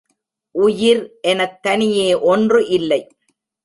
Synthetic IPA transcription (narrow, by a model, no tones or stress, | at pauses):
ʔʊjɪɾʔɛnɐk̚t̪ːɐnɪjeːʔɔndrɯʔɪlːɐɪ